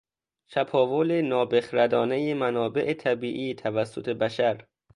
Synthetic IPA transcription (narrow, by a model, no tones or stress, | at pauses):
ʃʰæpʰɒːvolenɒːbexɾæd̪ɒːnejemænɒːbe̞ʔet̪ʰæbiːʔiːt̪ʰævæsːot̪ʰe̞bæʃæɾ